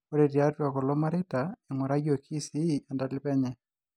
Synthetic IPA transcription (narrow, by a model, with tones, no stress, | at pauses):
o˦ɾe˨ɾja˦twa˨kɔ˨lɔ˦ma˦ɾe˦ta˨ɪ˨ŋwɔ˨ɾa˦jo˨kʰi˦si˦a˨nda˨lɪ˦pɛ˦ɲɛ˨